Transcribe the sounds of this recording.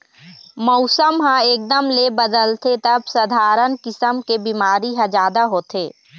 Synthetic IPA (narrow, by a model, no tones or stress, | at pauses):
mɔʊsəmɦãeːk̚d̪əmlebəd̪əlt̪et̪əbsəd̪ʱaːɾənkɪsəmkebiːmaːɾiɦãd͡ʒaːd̪aɦoːt̪eː